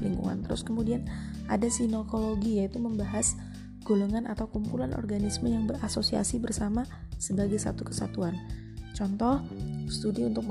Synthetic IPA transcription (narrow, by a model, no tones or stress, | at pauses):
lḭŋɡṵŋa̰nt̪əɾʊ̰skəmudianʔa̰dasinokoloɡijait̪uməmbaɦas | ɡ̥uluŋanat̪awkumpulanʔɔ̰rɡanisməjaŋbəɾasosia̰sibərsama | səbaɡajsa̰t̪ukə̥sa̰t̪uan | t͡ʃɔnt̪ɔhst̪udiunt̪ʊk̚